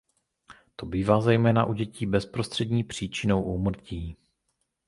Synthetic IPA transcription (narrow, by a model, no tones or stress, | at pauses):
t̪o̞biːvaːzɛjmɛːna̰ʔuɟɛciːbɛspɾost̪r̥ɛdɲiːpr̝̥iːt͡ʃɪno̞wʔumr̩ciː